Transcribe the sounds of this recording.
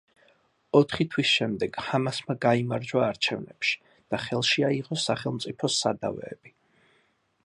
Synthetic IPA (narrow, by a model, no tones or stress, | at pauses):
ɔt̪ʰχit̪ʰwisʃɛmd̪ɛɡ̥hamasmaɡaimaɾd͡ʒwaːɾt͡ʃʰɛvnɛpʃi̥ | d̪̥aχɛlˠʃiaiʁɔsaχɛlˠmt̪sʼipʰɔsad̪a̰vɛ̰ːb̥i